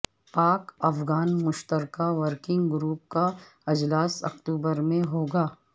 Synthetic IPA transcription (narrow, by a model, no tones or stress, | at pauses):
paːkɐfɡaːnmʊʃt̪əɾkaʋəɾkɪ̃ŋɡɡɾuːp̚ka | ɪd͡ʒlaːsɐ̰kt̪uːbəɾmẽɦoːɡaː